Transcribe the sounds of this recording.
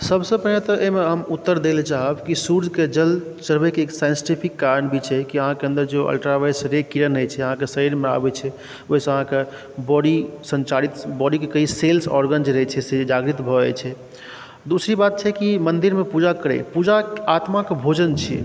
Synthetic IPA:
səbsə̃pəɦnet̪ɔʔeɦmeɦəmut̪ːəɾd̪elet͡ʃaɦəbkisuɾd͡ʒked͡ʒəl | t͡ʃəɾbɛkeeːksajnsi̥ʈipʰikːaɾənbʱit͡ʃʰɛkiəɦãkeə̃nd̪əɾd͡ʒeə̰lʈɾaʋajsɾekiɾənɦət͡ʃʰɛəɦãkesəɾiɾmea̰bɛt͡ʃʰɛ | oɦisə̃əɦãke | bɔɖisə̃nt͡ʃaɾit̪bɔɽikekəɦiselsɔ̰ɾɡənd͡ʒɾəɦɛt͡ʃʰɛsed͡ʒaɡɾit̪bʱɔɛt͡ʃʰɛ | d̪usɾibat̪̚t͡ʃʰɛkimənd̪iɾmepud͡ʒakəɾɛ̰pud͡ʒaat̪makebʱod͡ʒənt͡ʃʰḭ

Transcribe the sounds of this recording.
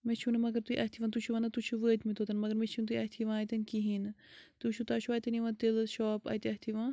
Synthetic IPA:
met͡ʃʰunɨmɐɡɐɾt̪uiʔɐt̪ʰiʋant̪uʃʰuʋɐnɐt̪ut͡ʃʰuʋəːt̪ʲmit̪ʰot̪ɐnmɐɡɐɾmet͡ʃʰunt̪uiɐɦt̪ʰiʋãːt̪ɐnkiɦint̪uʃʰut̪aːʃʰuɐːt̪ɐniʋɐ̃t̪ilʃɔːpɐ̰t̪iɐɦt̪ʰiʋãː

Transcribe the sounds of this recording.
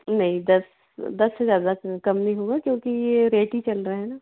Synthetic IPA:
nɐɦĩd̪ɐs | d̪ɐsːezjaːd̪akɐmnɐɦĩɦoːɡakjõːkijeɾeːʈit͡ʃɐlɾɐɦɛnaː

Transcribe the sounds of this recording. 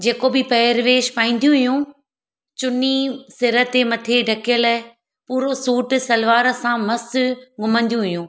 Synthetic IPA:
d͡ʑeːkobɪpɐɪɾʋeːʃpaːĩːnd̪ijũɦʊjũ | t͡ɕʊnisɪɾət̪emɐt̪ʰeɖʱɐkijəl | puːɾosuːʈ̆sɐlʋaːɾəsãmɐsɡʊmə̃nd̪ijũɦʊjũː

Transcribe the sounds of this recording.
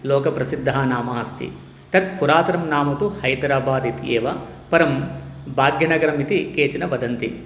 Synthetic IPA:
loːkɐpɾɐsid̪ʱːaːnaːmɐːst̪ḭ | t̪ɐt̪̚puɾaːt̪ɐɾɐmnaːmɐt̪uhɐjd̪ɾaːbaːd̪it̪eːʋɐ | pɐɾɐmbʱaːɡjɐnɐɡɐɾɐmit̪ikeːt͡ʃinɐʋɐd̪ɐnt̪i

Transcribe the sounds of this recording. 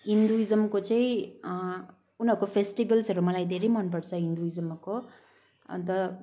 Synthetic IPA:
ind̪uizɐmkot͡ʃej | unɐkːofʰesʈibɐlsɐɾumɐlajd̪eɾimɐnp̬ɐʈsaind̪uizɐmɐkːo | ɐ̰nt̪ɐ

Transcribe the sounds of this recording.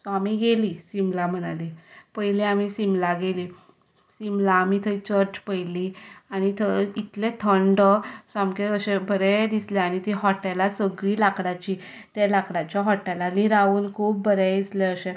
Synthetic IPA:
sɔamiɡeliːsimlam̤əɽ̃alipəɦilẽamisimlaɡeliː | simlaːmit̪ʰəɾit͡ɕəɾt͡ɕpəjliañit̪ʰəit̪let̪ʰəɳɖsamkeəɕebʱəɾed̪isleañit̪iɦɔʈalasəɡɭiːlakɽat͡ɕi | t̪jalakɽat͡ɕjaɦɔʈːalaniɾauːnkʰuːb̚bəɾed̪isleəɕẽ

